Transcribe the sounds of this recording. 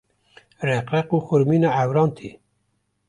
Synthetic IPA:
rɛqɾɛquːxʊɾmiːnɑːæwɾɑːnt̪ʰḭː

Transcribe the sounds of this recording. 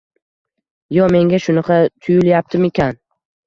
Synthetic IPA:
jɒme̞ŋɡʲaʃʊnɑqʰɑt̪ʰʊjɪljap̚t̪ʰɪme̞kʲan

